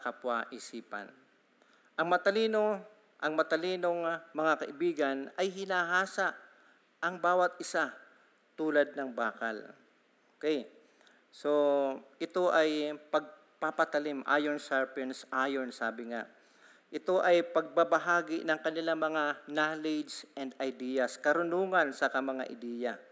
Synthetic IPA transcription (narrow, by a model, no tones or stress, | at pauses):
ɐkɐpwaʔɪsiːpɐ̰n | ʔɐŋmɐt̪ɐliːno̞ | ʔɐŋmɐt̪ɐliːno̞ŋmɐŋakɐʔɪbiːɡɐnɐjɦɪnaːɦaːsaʔ | ʔɐŋbaːwɐt̪̚ʔɪsa | t̪uːlɐd̪̚nɐŋbaːkɐ̰l | okɛj | so̞ʔɪt̪o̞ʔɐjpɐɡ̚ | papɐt̪ɐlɪmʔa̰ːjonsaɹpɛnsʔaːjonsaːbɪŋa̰ʔ | ʔɪt̪o̞ʔɐjpɐɡ̚pabɐɦaːɡɪnɐŋkɐnɪlamɐŋanalɛd͡ʒsʔɛnd̪̚ɐjd̪iːjɐskɐɾʊnuːŋɐnsɐkɐmɐŋa̰ʔɪd̪iːja